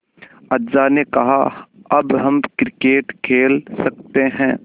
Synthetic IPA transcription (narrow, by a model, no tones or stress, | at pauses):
ɐdzanekɐɦaɐbɦɐmkɾɪkeːʈkʰeːlsɐkt̪eɦɛ̃ː